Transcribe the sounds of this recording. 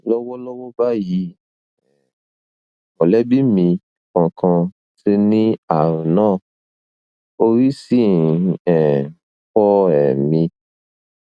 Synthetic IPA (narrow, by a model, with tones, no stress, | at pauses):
lɔ˦wɔ˦lɔ˦wɔ˦ba˦ji˨˦˨ | ɔ˨lɛ˨˦bi˦mĩ˧ | kã˧kʰã˧ | si˦nĩ˦a˦˨ɾũ˨nãː˦˨ | o˧ɾi˦si˦˨ɛ˨ | fɔ˦ɛ˨mĩ˧